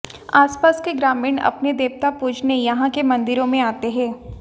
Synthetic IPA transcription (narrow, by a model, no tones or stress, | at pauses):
aːspaːskeɡɾaːmɪːnɐ̰pned̪eːʋt̪apuːd͡ʒnejɐɦãkemɐ̃nd̪ɪɾõmẽaːt̪eɦɛ̃ː